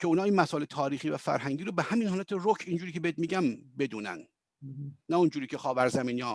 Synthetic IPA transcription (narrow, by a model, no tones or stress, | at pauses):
kʲʰe̞unɒːinmæsɔːelet̪ʰɒːɾiːxiːvæfæ̰ɾɦæŋɟiːɾobehæminhɒːlæt̪ʰerokʰiːnd͡ʒuːɾiːcʰebeet̪̚miːɡæmbe̞d̪uːnæ̰nː | æund͡ʒuːɾiːcʰe̞xɒːvæɾzæmiːnjɒː